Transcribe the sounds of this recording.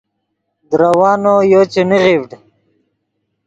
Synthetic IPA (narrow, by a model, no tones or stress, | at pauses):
d̪ɾawɑːnojot͡ɕeniʁivɖ